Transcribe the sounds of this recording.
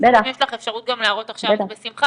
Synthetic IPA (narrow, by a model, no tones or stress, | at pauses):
bet̪ajɛʃlaχefʃaʁut̪̚ɡamlaːʁot̪aχʃabevt̪abesimχa